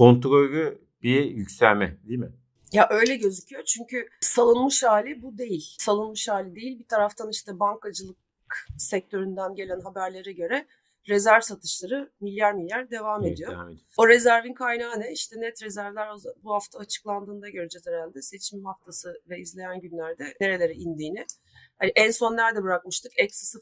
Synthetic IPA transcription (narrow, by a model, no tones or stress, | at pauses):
ko̞nt̪ɾojɾy | bijycsælʲmɛ̰d̪imɪ | jaʔø̞jlʲɛɟø̞zycʰyjo̞t͡ʃʰyɲcʰysalˠɯnmɯʃhaːlʲibud̪e̞jilʲsalˠɯnmɯʃhaːlʲid̪e̞jilʲbit̪ʰaɾaft̪ʰaniʃt̪ʰɛbaŋkad͡ʒɯlˠɯk | sɛc̚t̪ʰø̞ɾynd̪ænɟelʲænɦabæɾlʲe̞ɾɛɟø̞ɾɛ | ɾezæɾvsat̪ʰɯ̥ʃlˠaɾɯmilʲjæɾnilʲːæɾd̪e̞vaːme̞d̪ijo | oɾe̞zæɾvinkʰajnaːnɛiʃt̪ʰɛnɛt̪ɾe̞zæɾvlʲæɾozbuhaft̪ʰaːt͡ʃʰɯ̥klˠand̪ɯːnd̪aɟøɾɛd͡ʒet̪ʰeɾænʲd̪ɛse̞t͡ʃʰimhaft̪ʰasɯvɛizlʲe̞jænɟynlʲæɾd̪ɛne̞ɾe̞lʲe̞ɾɛind̪iːnɪ | haniʔɛnso̞nːæɾd̪ɛbɯɾakmɯʃt̪ɯkɛcsi̥sɯ